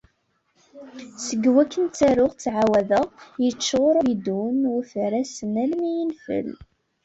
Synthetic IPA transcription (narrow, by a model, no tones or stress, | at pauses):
səɡwækːənt͡sæɾʊʁt͡sːʕawæðəjət͡ʃːʁʊɾˤʊid̪unʊɾθɾæsənælmijənfə̰l